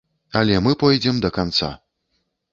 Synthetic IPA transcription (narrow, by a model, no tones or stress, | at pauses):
ɐlʲɛmɨpɔjd͡zʲɛmd̪ɐkant̪sa̰